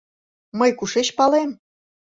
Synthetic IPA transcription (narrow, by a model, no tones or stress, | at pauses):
məjkuʃeɕpɑlem